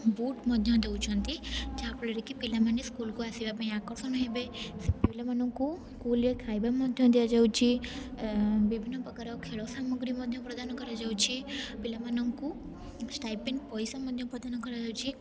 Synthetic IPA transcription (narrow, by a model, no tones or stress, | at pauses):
buʈmɔd̪ʱjɔ̃d̪eut͡ʃʰɔnt̪it͡ʃapɭəɾikipilamaniskulkuasiʋapãĩakɔɾsɔnəɦĩbepilamanɔŋkuskulekʰajbamɔd̪ʱjɔ̃d̪eʋad͡ʒawt͡ʃʰi | bibʱinːɔpəkaɾɔkʰeɭɔsamɔɡɾimɔd̪ʱjɔ̃pɾəd̪anɔkəɾad͡ʒawt͡ʃʰipilamanɔŋku | sʈajpinpɔjsamɔd̪ʱjɔ̃pɾəd̪anɔ̃kəɾad͡ʒawt͡ʃʰi